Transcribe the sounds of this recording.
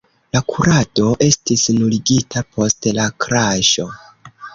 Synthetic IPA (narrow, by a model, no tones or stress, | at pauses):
lakʰuɾado̞ʔe̞stisnuliɡitʰapo̞stlakɾaʃo̞